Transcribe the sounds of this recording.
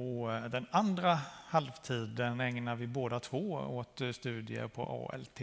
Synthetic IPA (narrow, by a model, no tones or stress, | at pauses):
ɔd̪ɛnand̪ɾahalvt̪ʰiːd̪ənɛŋnaɾvɪboːd̪at̪ʰvoːot̪st̪ʉ̟ːd̪ɪə̰ɾpʰɔ̰ʔɑ̰ːɛ̰lt̪ʰː